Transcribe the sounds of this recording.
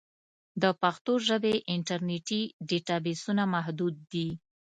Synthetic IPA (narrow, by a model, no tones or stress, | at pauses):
d̪əpaxt̪oʒəbeʔɪɳʈaɾneʈiɖeʈɑbesunamaɦd̪ud̪̚ːi